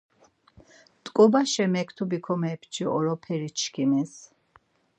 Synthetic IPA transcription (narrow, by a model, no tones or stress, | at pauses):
t̪ʼkʼɔbaʃɛmɛkʰt̪ʰubikʰɔmɛpʰt͡ʃʰiɔɾɔpʰɛɾit͡ʃʰkʰimis